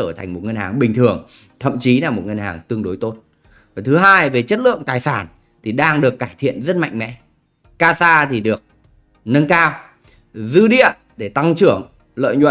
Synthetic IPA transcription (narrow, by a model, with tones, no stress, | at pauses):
əː˧˩t̪ʰa˨˩jŋ̟mo˨˩t̚ŋə˧nhaː˨˩ŋɓï˨˩ŋ̟t̪ʰɨ˨˩əŋ | t̪ʰə̰˧˨mt͡ɕi˨˦laː˨˩mo˨˩t̚ŋə˧nhaː˨˩ŋt̪ɨ˧əŋɗo˨˦jt̪o˦˥t̚ | vaː˨˩t̪ʰɨ˨˦ɦaː˧jve˨˩t͡ɕə˦˥t̚lɨ̰˧˨əŋt̪aː˨˩jsaː˧˩n | t̪ʰi˨˩ɗaː˧ŋɗɨ˨˩əkːaː˧˩jt̪ʰḭ˧˨ənzə˦˥t̚ma̰˧˨jŋ̟mɛ̰˧˥ | kaː˧saː˧t̪ʰi˨˩ɗɨ˨˩ək̚ | nə˧nkaː˧w | zɨ˧ɗḭ˧˨ə | ɗe˧˩t̪a˧ŋt͡ɕɨ˧˩əŋ | lə̰ː˧˨jɲwə̰˧˨